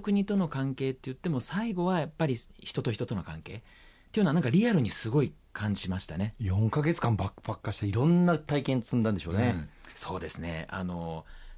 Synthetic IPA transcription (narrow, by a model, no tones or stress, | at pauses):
kɯ̟ɲ̟it̪o̞no̞kãŋke̞ːt̪ːe̞jɯ̟t̪ːe̞mo̞saiɡo̞βajapːaɾʲiçi̥t̪o̞t̪o̞çi̥t̪o̞t̪o̞no̞kãŋke̞ː | t̪ːeiɯnanãŋkaɾʲiaɾɯ̟ɲ̟isɨɡo̞i | kʰãɲ̟d͡ʑimaɕi̥t̪ane̞jõ̞ŋkaɡe̞t͡sɨ̥kãmbakb̥akːaɕi̥t̪eiɾõ̞nːat̪aikẽnsɨ̃nd̪ãnd̪eɕoːneso̞ːd̪e̞sɨne̞̰a̰no̞